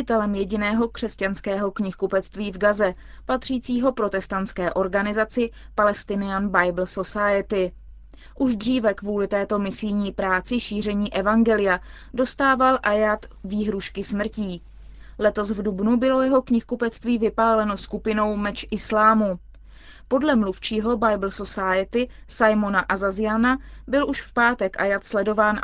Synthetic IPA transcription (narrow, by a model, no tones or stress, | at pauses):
ɪt̪ɛlɛmjɛɟɪnɛːɦo̞kr̥ɛscanskɛːɦo̞kɲɪxkupɛt͡st̪viːvɡazɛ | pat̪r̝̥iːt͡siːɦo̞pɾo̞t̪ɛst̪ant̪t͡skɛːʔo̞ɾɡanɪzat͡sɪ | palɛst̪ɪnɪanbajbl̩so̞sajɪt̪ɪ | ʔuʒd̪r̝iːvɛkvuːlɪt̪ɛːt̪o̞mɪsɪjɲiːpɾaːt͡sɪʃiːr̝ɛɲiːʔɛvaŋɡɛlɪja | do̞st̪aːvalʔajat̪viːɦɾuʃkɪsmr̩ciː | lɛt̪o̞svdubnubɪlo̞jɛɦo̞kɲɪxkupɛt͡st̪viːvɪpaːlɛno̞skupɪno̞wmɛt͡ʃʔɪslaːmu | po̞dlɛmluft͡ʃiːɦo̞bajbl̩sosajɪt̪ɪ | sajmo̞naʔazazɪjanabɪlʔuʃfpaːt̪ɛkʔajat̪slɛdo̞vaːn